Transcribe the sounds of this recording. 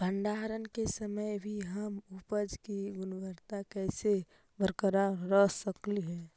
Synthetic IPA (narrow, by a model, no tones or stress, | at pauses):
bʱəɳɖaːɾənkesəməjbʱiɦəmupəd͡ʒkiɡʊnbəɾt̪akɛːse | bəɾkəɾaɾəɦsəkliɦɛ̃ː